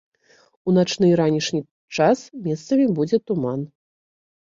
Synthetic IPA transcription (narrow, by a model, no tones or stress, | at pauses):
unat͡ʂnɨɾanʲiʂnʲi | t͡ʂasmʲɛst̪sɐmʲibud͡zʲɛt̪uman